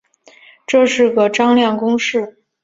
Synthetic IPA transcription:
ʈ͡ʂɤ˥˧ʂɻ̩˥˩ɡə˩ʈ͡ʂɑ˥ŋljɑ˥˩ŋkʊ˥ŋʂɻ̩˥˩

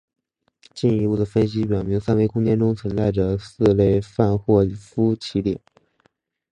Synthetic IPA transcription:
t͡ɕi˥˩ni˧˥pu˥˩d̪ə˩fə˥nɕ̬i˥p̬jɑ˨˩ʊmi˧˥ŋsa˥nwe˥˩ɪkʊ˥ŋt͡ɕjɛ˥nʈ͡ʂʊ˥ŋt͡sʰwə˧˥nt͡sa˥˩ɪʈ͡ʂə˩sɹ̩˥˧le˥˧ɪfa˥˧nxwɔ˥˩˨fu˥t͡ɕʰi˧˥t̪jɛ̰˨˩˦

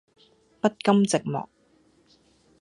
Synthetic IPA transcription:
pɐ˥t̚kɐ˥mt͡sɪ˨k̚mɔ̰ː˨˩k̚

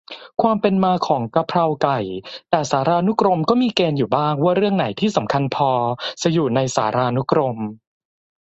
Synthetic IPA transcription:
kʰwaː˧mpe˧nmaː˧kʰɔː˩˦ŋka˧pʰɾa˧wka˨˩jt̪ɛː˨˩saː˩˦ɾaː˧nu˦˥kɾo˧mkɔː˥˩miː˧keː˧njuː˨˩baː˥˩ŋwaː˥˩ɾɯ˥˩əŋna˩˦jt̪ʰiː˥˩sa˩˦mkʰa˧npʰɔː˧sa˧juː˨˩na˧jsa̰ː˩˦ɾaː˧nu˦˥kɾo˧m

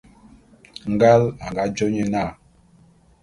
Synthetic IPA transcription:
ŋ̩˦ɡa˦la˨ŋɡa˨˦d͡ʒɔ˦ɲɛ˨na˦˨

